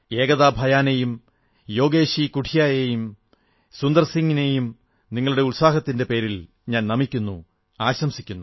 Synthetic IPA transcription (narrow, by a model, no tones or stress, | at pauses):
e̞ːɡɐðaːbʱɐjaːnejum | jo̞ːɡeːɕikuʈʰijaːjejum | sund̪ɐrsiŋːine̞jum | niŋːɐɭuɽe̞ulsaːɦɐt̪ːinde̞pe̞ːɾil | ɲaːnnɐmikʲːunːṵ | aːɕɐmsikʲːunːu